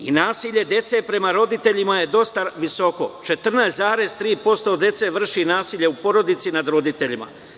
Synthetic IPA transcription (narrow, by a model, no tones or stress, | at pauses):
inaːsiːʎe̞d̪e̞t̪se̞pɾe̞maɾo̞d̪it̪e̞ʎimaje̞d̪o̞st̪aʋiso̞ko̞̰t͡ʃe̞t̪r̩naeszaːɾe̞zt̪ɾiːpo̞st̪o̞d̪e̞t̪se̞ʋr̩ʃinaːsiʎe̞upo̞ɾo̞d̪it̪sinad̪ɾo̞d̪it̪e̞ʎima̰